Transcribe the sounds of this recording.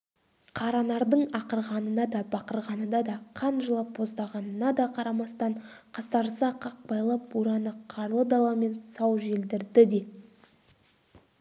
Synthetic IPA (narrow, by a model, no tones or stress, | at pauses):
qʰɑɾɑnɑɾd̪əɴɑqəɾʁɑnənɑd̪ɑbɑqəɾʁɑnəd̪ɑd̪ɑqʰɑnʒəlˠɑpːʰo̞zd̪ɑʁɑnənɑd̪ɑqʰɑɾɑmɑst̪ɑɴqʰɑsɑɾsɑqʰɑq̚bɑjlˠɑp̚uɾɑnəqʰɑɾlˠəd̪ɑwɑme̞nsɑwʒe̞ld̪ɪɾd̪ɪd̪e̞